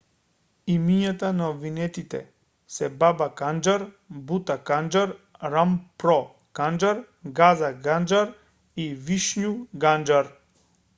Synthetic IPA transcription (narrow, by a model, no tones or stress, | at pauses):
imiɲat̪anaobvinɛt̪it̪ɛ̰ | sɛbabakand͡ʒaɾ | but̪akand͡ʒaɾɾampɾɔ | kand͡ʒaɾ | ɡazaɡand͡ʒaɾ | iviʃɲuɡand͡ʒaɾ